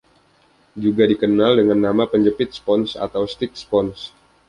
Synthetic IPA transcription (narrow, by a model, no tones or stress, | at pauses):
d͡ʒuɡadikənaldəŋanːamapəɲd͡ʒəpɪt̪̚spɔnsa̰t̪awst̪ɪk̚spɔns